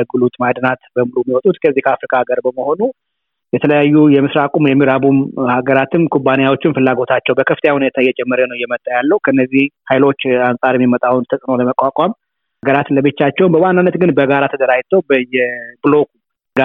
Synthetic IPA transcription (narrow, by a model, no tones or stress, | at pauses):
ɡɨlut̪ʼmad̪nat̪bəmulumːiwɔt̪ʼut̪kʰəzːihkʰəafɾikʼaaɡəɾbəməho̞nu | jɛt̪ʰələjajːujɛmɨsɾakʼumjɛmːiɾabumhaɡəɾat̪ʰɨnkʰubːanejawo̞t͡ʃːɪnfɨlːaɡo̞t̪ʰat͡ʃːɛwbəkʰəft̪ʰjahunet̪ʰajɛt͡ʃʼɛmːəɾjənəwjɛmət̪ʼːajalːəhukʰəɨnːəzːihhajlo̞t͡ʃːansʼaɾɛmːimət̪ʼawnt̪ʰəsʼɨno̞ləməkʼakʼam | haɡəɾat̪ləbɨt͡ʃːat͡ʃːɛwmbəwanːanːət̪ɡɨnbəɡaɾat̪ʰəd̪əɾajt̪ʰəwbəjɛblo̞kʰʼu | ɡa